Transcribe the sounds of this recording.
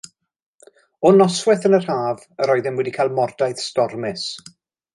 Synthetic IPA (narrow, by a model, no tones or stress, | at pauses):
ɔnɔswɛθənər̥haːv | əɾɔjðɪnwɛdikʰalˠmɔrdajθstɔrmɪs